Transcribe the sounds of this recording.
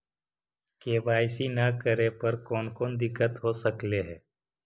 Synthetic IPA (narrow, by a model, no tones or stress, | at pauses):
keːbaːɪsinɐkəɾepɐɾkɔːnkɔːnd̪ɪkːət̪ɦosəkleɦɛː